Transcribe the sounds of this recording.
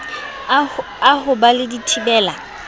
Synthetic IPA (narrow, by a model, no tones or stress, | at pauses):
ahʊbalɪditʰibɛːla